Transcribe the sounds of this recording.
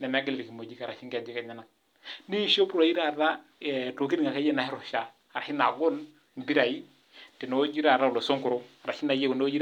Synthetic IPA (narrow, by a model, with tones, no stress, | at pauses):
nɛ˨na˦ɡi˦lɾi˨ki˨mo˨d͡ʒi˦ka˨ɾa˨ʃi˦ŋkɛ˨d͡ʒi˦ka˨ɲa˦na˨ŋ | ni˦˨ʃo˦pɾa˨ji˦ɾa˦˨ɾa˦ | ɛ˨to˨ki˦di˦ŋa˨ka˦je˦na˨hi˦ɾo˨ʃa˦ | a˨ɾa˨ʃi˦na˨ɡo˦n | m˨bi˦ɾa˨ji˦ | ti˨n˨o˦d͡ʒi˦ɾa˨ɾa˦u˨lo˨so˦ŋku˨ɾu˦a˨ɾa˨ʃi˦na˨je˦ɡu˨n˦o˦d͡ʒi˦